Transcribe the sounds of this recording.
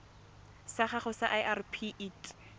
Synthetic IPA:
saχaχʊsaʔaʔarpʰiʔitʼ

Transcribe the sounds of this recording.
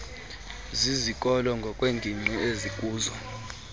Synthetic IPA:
zizikʼɔlɔŋɡʱɔkʼweːŋɡʱiŋ͡ǀʱiezikʼuːzɔ

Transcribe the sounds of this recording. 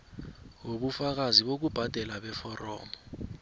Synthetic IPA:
woɓufak̬aziɓok̬ub̥ʱad̥ʱɛlaɓɛfɔrɔ̰ːmɔ

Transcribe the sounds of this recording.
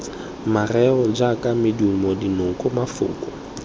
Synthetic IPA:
marɛɣɔd͡ʒakʼamɪdumɔdinʊŋ̩kʼʊmafʊ̰ːkʼɔ

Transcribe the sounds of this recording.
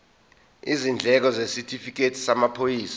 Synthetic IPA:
izind͡ɮʱɛk̬ɔzesitʰʼifik̬etʰi̥samapʰojiːsḁ

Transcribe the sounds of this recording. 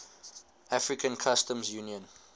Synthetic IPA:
ʔafɹikʰə̃nkʰastə̃mzjuniə̃n

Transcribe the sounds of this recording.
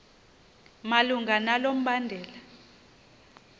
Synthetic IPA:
maluŋɡʱanalom̩ɓandʱɛːla

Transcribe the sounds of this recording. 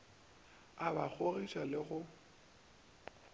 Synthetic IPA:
abak͡xʰorit͡ʃʼalɪɣʊ

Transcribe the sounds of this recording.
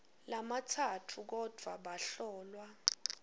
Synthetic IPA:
lamatʰatʰuk̬ɔd̥ʱwa̰ɓaɬɔːlwa

